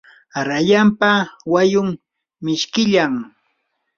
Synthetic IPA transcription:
ɾajampawajʊm | mɪʃkɪʎaŋ

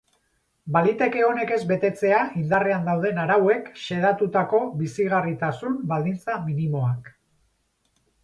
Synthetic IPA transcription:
balit̪e̞ke̞o̞ne̞ke̞zbe̞t̪e̞t͡se̞aʔind̪are̞and̪awð̞e̞naɾawe̞kʃe̞ðat̪ut̪ako̞βisiɣ̞arit̪asumbald̪int͡saminimo̞ak

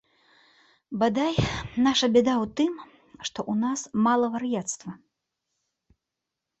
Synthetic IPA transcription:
bad̪ajnaʂɐbʲɛd̪awt̪ɨm | ʂt̪ɔʔunasmalˠɐvɐrjat̪st̪vɐ

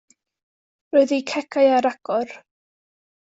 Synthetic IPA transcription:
rɔɨðikʰɛkʰaɨaɾaɡ̥ɔr

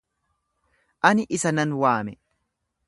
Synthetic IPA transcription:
ʔɐnɪʔɪsɐnɐnwaːmɛ

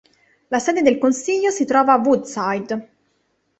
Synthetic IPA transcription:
lasɛːd̪ed̪elkonsiʎːosit̪ɾɔːvaːvːud̪sajd̪

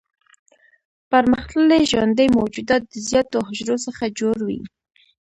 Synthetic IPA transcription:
paɾməxt̪əleʒwa̰nd̪əjmowd͡ʒud̪ɑt̪̚d̪əzjɑt̪oɦʊʒɾosəxad͡ʒoɾwḭ

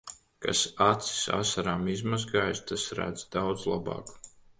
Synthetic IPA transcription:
ka̰sat̪si̥sa̰saɾaːmizmazɡaːjst̪asɾæ̰d̪z̥d̪awd̪zlˠabɑ̰ːk

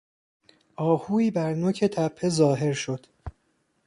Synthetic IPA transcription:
ʔɒːhuːiːbæɾnocʰet̪ʰæpʰːe̞zɒːɦe̞ɾʃo̞d̪̥

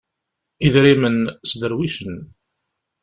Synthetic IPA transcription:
iðɾimənsd̪əɾwiʃən

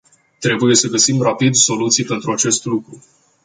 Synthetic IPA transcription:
t̪ɾe̞buje̞səɡəsimrapid̪so̞lut̪sijpe̞nt̪ɾuat͡ʃe̞st̪lukɾu

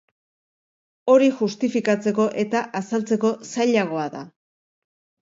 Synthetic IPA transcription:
o̞ɾiʝust̪ifikat͡se̞ko̞ʔe̞t̪aʔasalt͡se̞ko̞saʎaɣ̞o̞aða̰

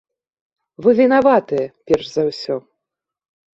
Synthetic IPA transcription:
vɨvʲinavat̪ɨjɛpʲɛrʂzawsʲɔ

